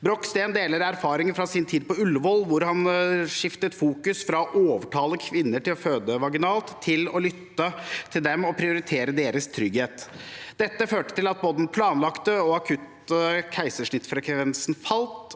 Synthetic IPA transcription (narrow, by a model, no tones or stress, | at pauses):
bɾɔkːst̪eːnd̪eːləɾæɾfɑːɾɪŋəfɾɑsɪnt̪ʰiːd̪̚pɔʉlːʋɔlʋʊɾhɑnʂɪft̪ət̪fuːkʉsfɾɑɔʔoːʋəʈʰɑːləkʰʋɪnːəʈɪlɔføːd̪əʋɑɡɪnɑːlt̪ʰːɪlɔlʏt̪ːət̪ʰɪld̪ɛmɔpʰɾɪʊɾɪt̪ʰeːɾəd̪eːɾəst̪ʰɾʏɡheːt̪d̪̥ɛt̪ːəføːʈə̥t̪ɪlɑt̪̚boːd̪ən̩pʰlɑːnlɑkt̪əɔɑkʰʉt̪ | kʰæɪsəʂɳɪt̪ːfɾɑkʰʋɛnsnfɑlt̪